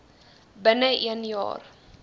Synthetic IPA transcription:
bənəʔiənjɑ̰ːr

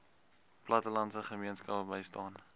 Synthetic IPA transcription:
plɐtəlɐntsəχəmiənskɐpəbəjstɑːn

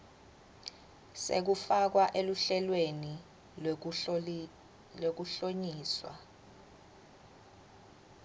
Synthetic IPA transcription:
sḛk̬ufak̬waʔeluɬɛlweni | lok̬uɬoɲiːswa̰

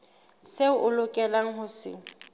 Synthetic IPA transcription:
seʊʔʊlʊkʼɛlaŋ̩ɦʊsɪ̰

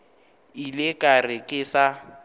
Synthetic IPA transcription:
ilɪkʼarɪkʼɪsa

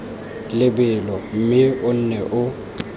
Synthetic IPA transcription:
lɪbɪlɔm̩mɪʊn̩nɛʔʊ

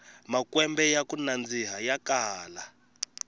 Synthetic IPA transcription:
makwɛmbɛjakunand͡ziɦajakaːla

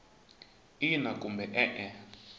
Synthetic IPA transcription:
inakʼumbɛʔɛʔɛ

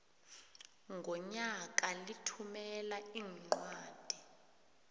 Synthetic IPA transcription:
ŋɡʱɔɲak̬ʼalitʰumɛlaiːŋ͡ǃwaːd̥ʱi

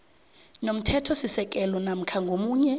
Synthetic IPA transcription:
nom̩tʰɛtʰɔsisɛk̬ʼɛlɔnam̩kʰaŋɡʱomuːɲɛ

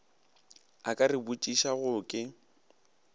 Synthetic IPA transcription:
akʼarɪbut͡ʃʼiʃaɣʊkʼɪ

